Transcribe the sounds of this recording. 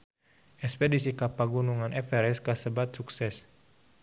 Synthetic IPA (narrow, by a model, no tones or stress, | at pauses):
ʔɛspedisikapaɡunuŋanʔɛfɛɾɛskasəbat̪̚suksɛs